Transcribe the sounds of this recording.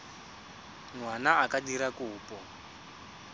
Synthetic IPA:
ŋwanaːkadiɾakuːpʼɔ

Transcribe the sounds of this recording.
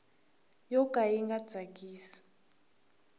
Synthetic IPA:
jɔkʼaiŋɡḁd͡zʱakʼiːsi̥

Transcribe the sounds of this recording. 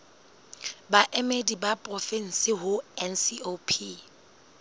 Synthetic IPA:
baʔemedibapʼrɔfɛn̩sɪɦʊɛnsiopʰi

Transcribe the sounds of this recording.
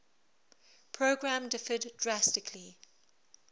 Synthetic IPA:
pʰɹoʊɡɹãmdɪfəddɹastɪkʰli

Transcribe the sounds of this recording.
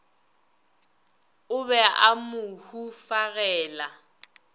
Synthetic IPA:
ʊβɛʔamʊhufaɣɛːla

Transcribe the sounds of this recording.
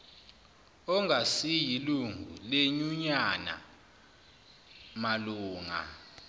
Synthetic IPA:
ɔŋʱasijiluŋʱuleɲuɲana̰ | maluːŋa̰

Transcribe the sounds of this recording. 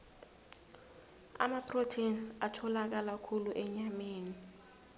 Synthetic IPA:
a̰mapʰrotʰinatʰɔlak̬alakʰuluʔɛɲameːni

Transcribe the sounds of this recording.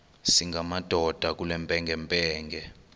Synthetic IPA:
siŋɡʱamad̥ʱɔd̥ʱak̬ulɛmpʼɛŋɡʱɛmpʼɛːŋɡɛ

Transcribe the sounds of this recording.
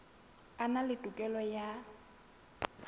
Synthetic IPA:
analɪtʼukʼɛlɔja

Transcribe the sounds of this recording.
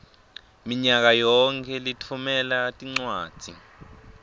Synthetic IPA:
miɲak̬ajɔŋkʰɛlitʰumɛlatʼiŋ͡ǀwaːd̥ʱḭ

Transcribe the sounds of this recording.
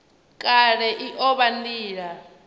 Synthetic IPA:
kʼaɺɛʔiʔɔɓandiːɺa

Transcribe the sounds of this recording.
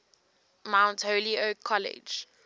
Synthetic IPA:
mãʊ̃ntholiokʰːɔlɪ̰d͡ʒ

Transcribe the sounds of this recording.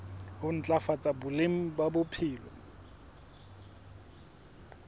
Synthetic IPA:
hʊn̩t͡ɬʼafat͡sʼabʊlem̩babʊpʰɪːlɔ

